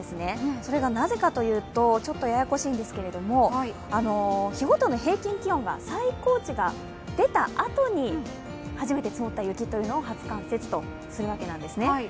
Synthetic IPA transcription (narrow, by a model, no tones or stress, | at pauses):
esɨne̞so̞ɾe̞ɡanaze̞kat̪o̞jɯ̟ːt̪o̞t͡ɕo̞t̪ːo̞jajako̞ɕiːnd̪e̞sɨ̥ke̞ɾe̞d̪o̞mo̞ | ano̞çiɡo̞t̪o̞no̞ɦe̞ːkʲĩŋkʲiõ̞ŋɡa̰saiko̞ːt͡ɕiɡa | d̪e̞t̪aʔat̪o̞ɲ̟i | haʑime̞t̪e̞t͡sɨmot̪ːajɯ̟kʲit̪ːo̞jɯ̟ːno̞ːɦat͡sɨ̥kãɰ̃se̞t͡sɨ̥t̪o̞ | sɨɾɯ̟β̞ake̞nãnd̪e̞sɨne